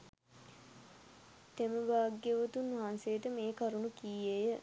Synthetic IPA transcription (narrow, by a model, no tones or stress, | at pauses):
t̪eməʋaːɡːeʋot̪unːʋɐɦansejːʈəmeːkaɾunukiːejə